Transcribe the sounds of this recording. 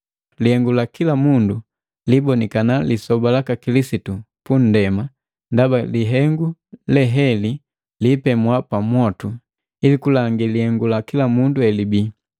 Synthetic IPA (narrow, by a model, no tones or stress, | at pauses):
lihɛŋɡulakilamundu | libɔnikanalisɔbalakakilisitu | pun̩dɛma | ndabaliɦɛŋɡulɛɦɛli | lipɛmwapamwɔtu | ilikulaŋɡilihɛŋɡulakilamunduɛlibi